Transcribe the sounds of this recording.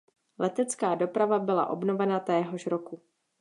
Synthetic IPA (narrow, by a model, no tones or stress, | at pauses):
lɛt̪ɛt͡skaːdo̞pɾavabɪla̰ʔo̞̰bno̞vɛnat̪ɛːɦoʃɾo̞ku